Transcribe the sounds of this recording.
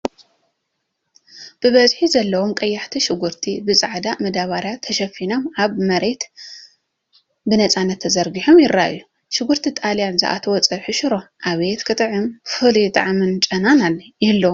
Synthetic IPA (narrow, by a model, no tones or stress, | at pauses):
b̥ɨβɐzħizɐlːɐwomkʼɐjːɐħt̪ʰiʃɪɡuɾt̪ʰibɨt͡sʼaʕd̪amɐd̪aβaɾjat̪ʰːɐʃɐfino̞maβmɐɾe̞t̪ | bɨnɐt͡sʼanːɐt̪ʰːɐzɐɾɡiħomjɪɾːaʔɨjːu | ʃɪɡuɾt̪ʰit̪ʼaljanzɨ̰ʔa̰t̪ʰɐwɔt͡sʼɐħɨʃɨɾo̞ʔaβet̪kʰɨt̪ʼɨʕɨmfɨlit̪ʼɨ̰ʕmɨnt͡ʃʼɐnanaljɪlːo